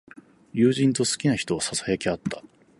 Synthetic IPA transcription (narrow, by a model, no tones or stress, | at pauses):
jɨ̟ːʑĩnt̪o̞sɨ̥kʲinaçʲi̥t̪o̞ːsasajakʲeat̪ːa